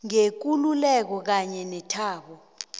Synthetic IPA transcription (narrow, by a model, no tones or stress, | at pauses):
ŋek̬ululɛk̬ɔk̬aɲɛnɛtʰaːɓɔ